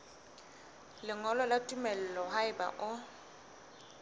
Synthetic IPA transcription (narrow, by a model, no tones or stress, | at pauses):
lɪŋɔlɔlatʼumɛl̩lɔɦaɪba̰ʔʊ